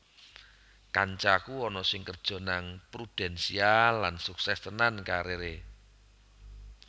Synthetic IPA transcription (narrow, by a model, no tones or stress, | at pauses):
kaɲt͡ʃakuɔnɔsɪŋkərd̥ʒ̥ɔ̤naŋpɾud̥ɛ̤nsialːansuksɛst̪ənankaɾeɾe